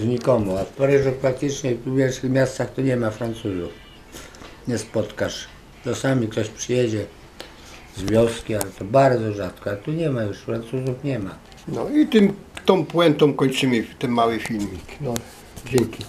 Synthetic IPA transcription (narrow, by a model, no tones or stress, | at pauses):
ɲikɔmuafpɔɾɛʐɛpɾak̚t̪ɘt͡ʂɲɛuvʲjɛlʂɨxmʲjast̪saxt̪ɔɲɛmafɾant̪suzuf | ɲɛspɔt̪kaʂ | t̪ɔsamʲik̚t̪ɔɕpʂɘjɛd͡ʑɛ | zvʲjɔskʲialɛt̪ɔbaɾd̪zɔʐat̪kɔaɛt̪uɲɛmajuʂfɾant̪suzufɲɛma | nɔit̪ɪmt̪ɔ̃m̃pwɛnt̪ɔ̃m̃kɔɲt͡ʂɘmɘt̪ɛnmawɪfʲilmʲiknɔ | d͡ʑɛŋkʲi